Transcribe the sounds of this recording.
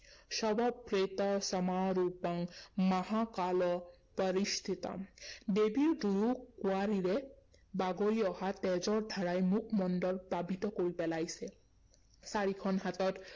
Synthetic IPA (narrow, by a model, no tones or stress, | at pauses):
ʃɔbɔpɾet̪ɔsɔmaɾupaŋmaɦakalɔ | pəɾist̪ʰit̪ɔ̰ɖebiɾɖujukuaɾiɾe | baɡoɾiɔhat̪ɛd͡zɔɾd̪ʱaɾajmukʰmɔnɖɔlpabit̪ɔkoɾipɛlajse | saɾikʰɔnɦat̪ɔt̪